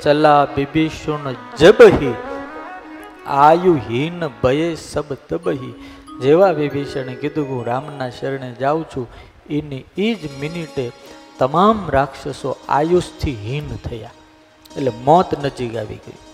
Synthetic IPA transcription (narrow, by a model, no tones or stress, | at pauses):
t͡ʃəlabibeʃond͡ʒəbɦi | ajuɦinbəjesəbt̪əbəɦi | d͡ʒeʋaʋibeʃənekid̪ũkũɾaːmnaʃəɾɳed͡ʒaʋũt͡ʃʰũ | eniid͡ʒmɪniʈet̪əmamɾakʂəsoa̰just̪ʰiɦint̪ʰəja̰ | eʈlemɔt̪nəd͡ʒikaʋḭɡə̰ḭ